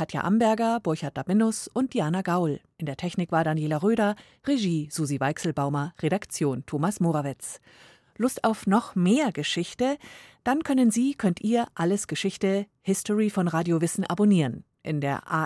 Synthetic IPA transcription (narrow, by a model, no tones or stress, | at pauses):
kʰatʰja̰ʔambɛɐɡɐbʊɐçat̚d̥abɪnʊsʊnt̚d̥iaːnaɡaʊlʔɪndeːɐtʰɛçnɪkv̥aːɐdanjeːlaʁøːɾɐ | ʁeʒiːz̥uzivaɪksl̩baʊmɐʁeɾakt͡sjoːntʰoːmasmoːʁavɪt͡s | lʊstaʊfnɔχmeːɐɡəʃɪçtəd̥ankʰœnənziːkʰœntʔiːɐʔaləsɡ̥əʃɪçtəhɪstɔʁifɔnʁaːdjovɪsn̩ʔa̰boniːʁən | ʔɪ̰ndeːɐʔa̰